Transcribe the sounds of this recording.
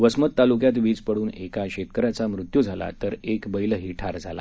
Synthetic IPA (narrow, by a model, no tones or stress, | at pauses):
ʋəsmət̪ːalukjat̪ʋiːd͡zpəɽuːnekaɕet̪̚kəɾat͡samɾut̪jud͡zʱala̰t̪əɾekbəiləɦiʈʰaɾd͡zʱala̰